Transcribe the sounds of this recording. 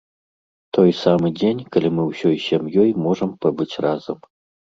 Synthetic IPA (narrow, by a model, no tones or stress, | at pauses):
t̪ʰojsamɨdʲenʲkɐlʲimɨwɕɔjɕɛmjɔjmoʐɐmpɐbɨt͡sʲrazɐm